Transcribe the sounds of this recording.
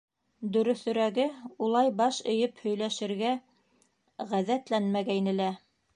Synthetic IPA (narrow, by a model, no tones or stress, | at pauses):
d̪ɵ̆ɾɵ̆θɵ̆ɾæɡɘulˠɑjbɑʃɵ̆jɵphɵ̆jlæʃɘ̆ɾɡæ | ʁæðæt̪lænmæɡæjnɘlæ